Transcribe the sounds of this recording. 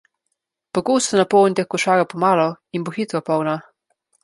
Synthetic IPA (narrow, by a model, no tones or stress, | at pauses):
pɔɡoːst̪ɔnapɔwnit̪exkɔʃaːɡapɔmaːlɔinboxit̪ɾɔpɔwna